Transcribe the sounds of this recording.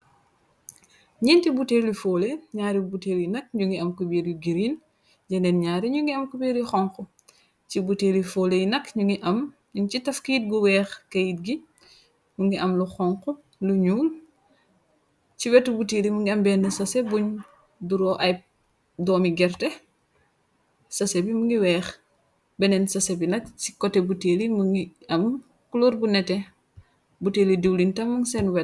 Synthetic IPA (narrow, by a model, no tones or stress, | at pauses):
ɲintibuteːlifoːleɲaːɾibuteːlinɐk̚ɲuŋɡiɐmkubiɾiɡiɾin | d͡ʒɐnɛnɲaːɾiɲuŋɡiɐmkubiːɾixɔŋkɔ | cibuteːlifoːlejnɐkɲuŋɡiʔɐm | ɲuɲt͡ʃitɐfkijit̚ɡuwɛːxkɐjit̚ɡi | muŋɡiʔɐmluxɔŋkɔ | luɲuːm | ciwɛtːubutelimuŋɡiɐmbɛːnːɐsɐsɛbuɲ | duɾɔʔɐj | dɔːmiɡɛrtɛ | sɐsɛbimuŋɡiwɛːx | bɛnɛnsɐsɛbinɐkt͡ʃi̥kɔtːɛbutelimuŋɡiɐm | kulurbunɛtɛ | buteːlidiwlintɐmːɐŋsɛnwɛ